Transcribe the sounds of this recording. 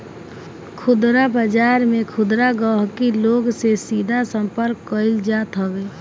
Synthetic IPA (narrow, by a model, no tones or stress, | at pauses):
kʰʊd̪ɾabəd͡ʒaːɾmẽkʰʊd̪ɾaɡəɦkiloɡsesiːd̪ʱasə̃mpəɾkːəɪld͡ʒaːt̪ɦɔbeː